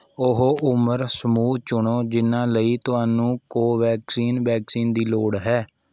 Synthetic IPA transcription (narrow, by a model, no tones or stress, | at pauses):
ʊɦoʔʊməɾsəmuːt͡ʃʊɳoːd͡ʒɪnãːləiːt̪ʊɦaːnũːkoːʋɛːksiːnʋɛːksiːnd̪iːloːɽɦɛː